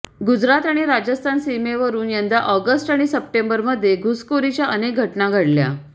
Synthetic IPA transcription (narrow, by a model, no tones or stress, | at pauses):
ɡud͡zɾat̪aɽ̃iɾad͡ʑəst̪ʰansimeʋəɾuːnjand̪aʔɔɡəsʈaɽ̃isəp̚ʈembəɾməd̪ʱːjeɡʱuskoɾit͡ɕjaʔənek̚ɡʱəʈnaɡʱəɽlja̰